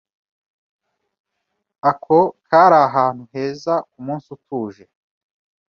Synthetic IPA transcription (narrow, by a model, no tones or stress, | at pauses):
akʰokʰaːɾaːɦaːn̥huɦe̞ːzakumuːnsutuːʒe̞